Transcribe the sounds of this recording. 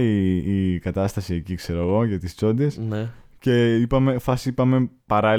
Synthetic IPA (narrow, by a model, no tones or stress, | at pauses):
iːkɐt̪ɐst̪ɐsiecikse̞ɾo̞ɣo̞ʝɐt̪ist͡so̞nd̪esnece̞ipɐme̞fɐsipɐme̞pɐɾɐ